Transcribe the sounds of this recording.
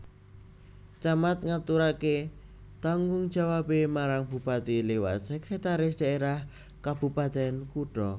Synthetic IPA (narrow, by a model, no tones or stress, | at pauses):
t͡ʃamat̪̚ŋat̪uɾake | t̪aŋɡʊŋd̥d͡ʒ̥a̤wapemaɾaŋb̥ṳpat̪ilewa̰t̪̚sɛkɾet̪aɾɪs̬d̪̥a̤eɾah | kab̥ṳpat̪ɛnkuʈɔ